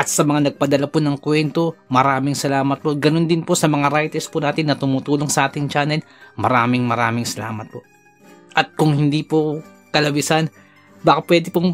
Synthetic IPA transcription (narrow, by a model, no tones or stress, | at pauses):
ʔɐt̪̚sɐmɐŋanɐɡ̚pɐd̪ɐlaponɐŋkwɛnt̪o̞mɐɾaːmɪŋsɐlaːmɐt̪̚po̞ɡɐno̞nd̪ɪnpo̞sɐmɐŋaɾajt̪ɛspʊnaːt̪ɪnːɐt̪ʊmʊt̪uːlo̞ŋsɐʔaːt̪ɪŋt͡ʃaːnɛl | mɐɾaːmɪŋmɐɾaːmɪŋsɐla̰ːmɐt̪̚po̞ | ʔɐt̪̚kʊŋhɪnd̪ipo | kɐlɐbɪsan | baːkɐpwɛːd̪ɪpo